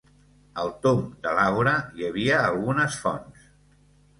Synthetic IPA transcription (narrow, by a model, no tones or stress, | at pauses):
əlˠt̪omd̪əlawɾəjəβ̞iəːlˠɣunəsfɔ̰ns